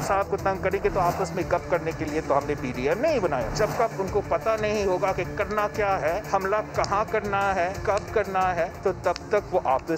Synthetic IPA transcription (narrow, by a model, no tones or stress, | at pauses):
ɪsaːb̚kot̪ɐ̃ŋɡ̚kɐɾẽŋɡet̪oaːpəsmẽkɐp̚kɐɾnekeliet̪oɦɐmnepiːɖiɛmnɐɦĩbɐnaːja̰d͡ʒɐb̚kɐbʊnkopɐt̪anɐɦĩɦoːɡakekɐɾnakjaːɦɛːhɐmlakɐɦãkɐɾnaɦɛkɐp̚kɐɾnaɦɛt̪ot̪ɐb̚t̪ɐkʋoʔaːpə